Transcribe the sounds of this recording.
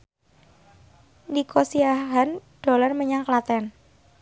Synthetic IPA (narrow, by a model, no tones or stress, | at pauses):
nikosiaɦand̥o̤larməɲaŋklat̪ɛn